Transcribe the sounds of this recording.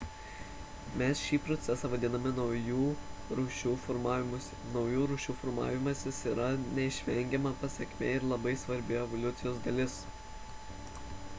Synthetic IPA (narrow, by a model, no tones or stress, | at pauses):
mʲɛsʃʲiːpɾɔt̪sʲɛsɑːʋɐd̪ʲɪnɐmʲɪnjuːɾʃʲuː | nɒʊjuːɾuːʃʲuːfɔɾmɑ̰ːʋʲɪmɐsʲɪsiːɾɐnʲɛɪʃʲʋʲɛŋʲɡʲɛmɐpɐsʲɛkʲmʲeːɪɾlˠɐbɐɪsʋɐɾʲbʲɪɛʋɔlʲʊt̪sʲɪjoːsd̪ɐlʲɪs